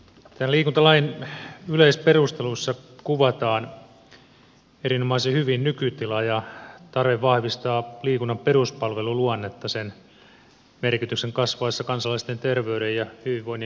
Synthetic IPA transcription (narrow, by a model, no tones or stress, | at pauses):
t̪ænliːkunt̪ɑlɑjinyleisperust̪elusːɑkuʋɑt̪ɑːn | eɾinomɑisehyʋinnykyt̪ilɑjɑt̪ɑrʋeʋʋɑhʋist̪ɑːliːkunːɑmperuspɑlʋeluluɑnːet̪ːɑsen | merkit̪ykseŋkɑsʋɑisːɑkɑnsɑlɑist̪ent̪erʋeyɾejjɑhyʋiʋʋoin